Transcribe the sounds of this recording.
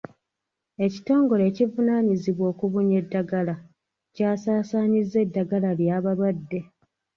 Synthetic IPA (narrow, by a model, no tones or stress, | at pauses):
e̞ci̥to̞ːŋɡo̞le̞ːcivunaːɲiziβwo̞ːkuβuɲe̞dːaɡala | caːsaːsaːɲizːe̞dːaɡalaljaːβalwadːe̞